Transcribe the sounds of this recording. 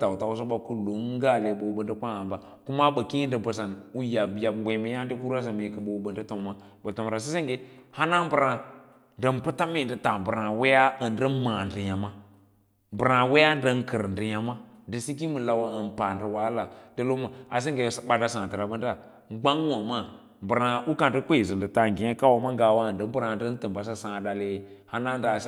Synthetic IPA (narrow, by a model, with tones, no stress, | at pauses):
ta˨u˨ta˨wu˦s̬o˦ɓa˦ku˦lo˨˦ŋ˦ɡa˦˨le˨bo˨bə˨ndə˦kʷa˦a˨mba˨ | ku˦ma˦ɓə˨ki˦n˦də˨bə˨sa˨nu˦ja˨bi˨ja˨ɡʷe˨mi˨˦ja˦ndi˦ku˦ɾa˦s̬a˨mə˨kə˨ɓo˨bə˨ndə˦to˨mːa˦ | bə˨to˨m˨ɾa˨s̬i˦si˦ŋɡe˦ha˦na˦bə˨ɾa˨ | də˨mpə˦ta˦mi˦˨n˨də˨ta˨bə˨ɾa˨we˦ja˦ə˨n˦də˦ma˨ndi˨ja˨ma˦ | bɨ˨ɾa˨we˦ja˦də˦n˦kə˨ɾndə˨ɲa˨ma˦də˨si˦ɡi˦mu˨la˨wa˨ə˨n˨pa˨ndi˨wa˦la˨də˦lo˦ma˨a˨s̬i˦ŋɡe˨sɓa˨da˦sã˨tə˨ɾa˨bə˦nda˦˨˦ | ɡ͡ba˦ŋ˦wa˨ma˦ | bə˨ɾa˨u˦ka˨ndə˦k͡pe˦˨zi˨ndə˨ta˨ŋ˨ɡi˨˦a˦ka˦wa˨ma˦ɡa˨wa˦˨ndə˦bə˦ɾa˨də˦n˦tɨ˨mba˨s̬a˦sã˨da˨le˦˨ha˦na˦n˦da˨˦